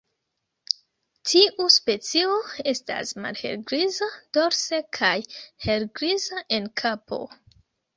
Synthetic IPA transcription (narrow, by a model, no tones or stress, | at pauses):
tʰiʔuspe̞t͡sio̞e̞sta̰sma̰lhe̞̰lɡɾizad̥o̞ɾsekʰajhe̞lɡɾizaʔe̞nkʰapʰo̞̰